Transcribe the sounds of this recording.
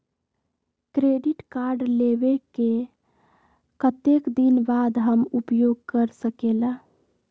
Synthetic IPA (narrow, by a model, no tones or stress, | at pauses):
kɾeɖiʈkaɾɖlebeke | kət̪ekd̪inbad̪ɦəmupjoɡ̚kəɾsəkela